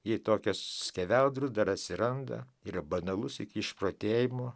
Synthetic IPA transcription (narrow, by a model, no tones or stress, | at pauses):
jɛɪt̪oːkʲossʲkʲɛʋʲɛlˠd̪ɾʊsd̪ɐɾɐt̪ʲsʲɪɾɐnd̪ɐ̰ɪɾɐbɐnɐlˠʊsɪkʲiɪʃproːt̪ʲeːjɪmoː